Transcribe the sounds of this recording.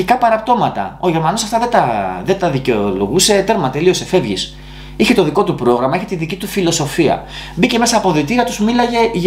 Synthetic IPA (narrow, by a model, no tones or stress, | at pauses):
ikɐpɐɾɐpt̪o̞mɐt̪ɐ̰o̞ʝe̞ɾmɐnosɐft̪ɐðet̪ɐðe̞t̪ɐðiceolo̞̰ɣuse̞t̪e̞ɾmɐt̪e̞lio̞se̞fe̞vʝis | içe̞t̪o̞ðiko̞t̪upɾo̞ɣɾɐmɐeçeiðicit̪ufilo̞so̞fiɐ̰ | bice̞me̞sɐːpo̞ðit̪iɾɐt̪usmilɐʝe̞ʝ